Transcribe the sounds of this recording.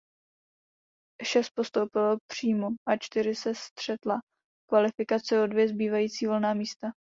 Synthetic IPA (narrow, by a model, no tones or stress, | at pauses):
ʃɛst̪̚po̞st̪owpɪlopr̝̥iːmoʔat͡ʃt̪ɪɾɪsɛst̪r̝̥ɛt̪la | kvalɪfɪkat͡sɪo̞dvjɛzbiːvajiːt͡siːvo̞lnaːmiːst̪a